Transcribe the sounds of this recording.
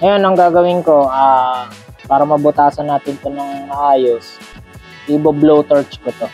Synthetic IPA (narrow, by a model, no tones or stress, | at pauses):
ŋɐjonɐŋɡaːɡɐwɪnko̞ʔaː | paːɾɐmɐbʊt̪aːsɐnːaːt̪ɪnp̪onɐŋmɐʔaːjos | ɪboblowt̪ɔɹt͡ʃkʊt̪o